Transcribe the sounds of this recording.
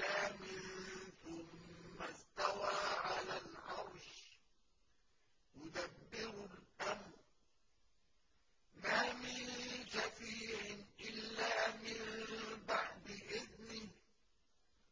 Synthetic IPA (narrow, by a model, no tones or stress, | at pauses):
aːmɪnθʊmːast̪awaːʕalalʕɑɾˤʃ | jʊd̪abːɪɾʊlʔamɾ | maːmɪnʃafiːʕɪnʔɪlːaːmɪnbaʕd̪ɪʔɪðnɪ